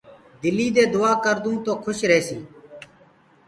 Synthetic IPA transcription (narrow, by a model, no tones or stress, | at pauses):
d̪ɪliːd̪eːd̪ʊaːkəɾd̪ũːt̪oːkʰʊʃɾeːsiː